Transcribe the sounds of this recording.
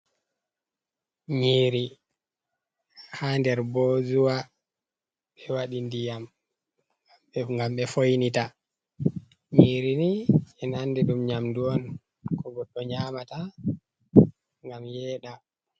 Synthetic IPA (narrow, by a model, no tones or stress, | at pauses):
ɲiːɾi | handɛɾboːzuwa | ɓɛwaɗindijam | ŋɡamɓɛfojnita | ɲiːɾiniɛnandɛɗumɲamduwɔn | kʰɔɡɔɗːɔɲaːmata | ŋɡamjɛːɗa